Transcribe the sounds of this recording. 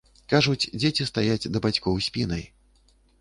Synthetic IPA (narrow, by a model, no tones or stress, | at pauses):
kaʐut͡sʲd͡zʲet͡sʲist̪ajad͡zʲd̪ɐbat͡sʲkɔwsʲpʲinɐj